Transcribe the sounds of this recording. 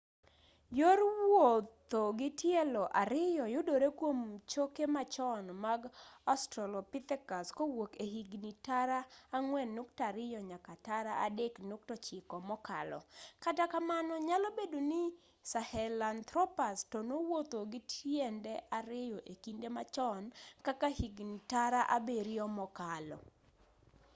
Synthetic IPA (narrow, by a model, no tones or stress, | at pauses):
joɾwot̪oɡɪtjɛlɔʔaɾɪjɔjʊdoɾekwomt͡ʃokemat͡ʃɔnmaɡɔstɾɔlɔpɪt̪ɛkaskowokehiɡnitaɾaːŋwɛnːʊktaɾɪjɔɲakataɾaa̰deknuk̚tɔt͡ʃɪkɔmɔka̰lɔ̰katakamanɔɲalobedonɪ | sahɛlant̪ɾɔpastonowot̪oɡɪtʰjendɛʔaɾɪjɔʔekindemat͡ʃɔnkakahiɡnitaɾaʔabeɾiɔmɔkalɔ̰